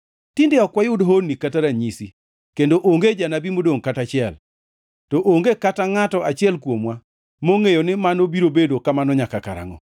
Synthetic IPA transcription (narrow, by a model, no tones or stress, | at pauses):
tɪndeɔkwajʊdɦonːikataɾaɲisi | kendoʔoŋɡed͡ʒanabimodoŋkatat͡ʃɪɛl | tɔʔoŋɡekataŋatɔat͡ʃɪɛlkwomwa | moŋejonɪmanobiɾobedokamanɔɲakaka̰ɾa̰ŋɔ̰